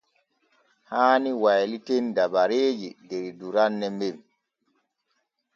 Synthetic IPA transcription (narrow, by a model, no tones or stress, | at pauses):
haːniwajlitendabaɾeːd͡ʒidɛɾduɾanːɛmiɾ